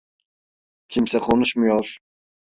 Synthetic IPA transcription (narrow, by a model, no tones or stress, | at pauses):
kʲʰimsɛkʰonuʃmujoɾ